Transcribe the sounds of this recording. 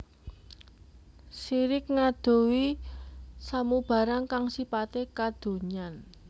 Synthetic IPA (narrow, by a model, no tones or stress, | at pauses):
siɾɪk̚ŋad̪̥o̤wi | samub̥a̤ɾaŋkaŋsipat̪ekad̪̥o̤ɲan